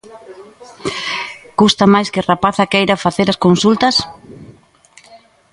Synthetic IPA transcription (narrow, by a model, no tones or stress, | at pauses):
kust̪ɐmajskɪrapaθakejɾafaθeɾɐskonsult̪ɐs